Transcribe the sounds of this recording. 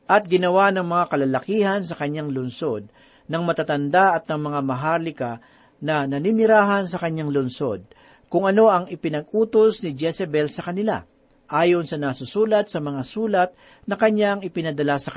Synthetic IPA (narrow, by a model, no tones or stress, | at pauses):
ʔɐt̪̚ɡɪnɐwanɐŋmɐŋakɐlalɐkiːhɐnsɐkɐɲːaŋlʊnso̞d̪̚ | nɐŋmɐt̪at̪ɐnd̪aʔɐt̪̚nɐŋmɐŋamɐɦaːlɪka | nɐnɐninɪɾaːɦɐns̬ɐkɐɲːaŋlʊnso̞d̪̚ | kʊŋɐno̞ɐŋɪpɪnɐɡ̚ʔuːt̪osnɪd͡ʒɛsɛbɛlsɐkɐnɪla̰ | ʔaːjonsɐnasʊsuːlɐt̪̚sɐmɐŋasuːlɐt̪̚ | nɐkɐɲːaɐŋɪpɪnɐd̪ɐlasɐkɐ